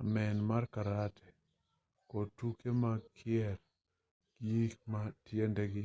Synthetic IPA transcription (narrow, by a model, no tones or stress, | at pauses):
amɛnmarkaɾatʰɛ̥ | kotukemakʰɪɛɾ | ɡjikmatjendeɡɪ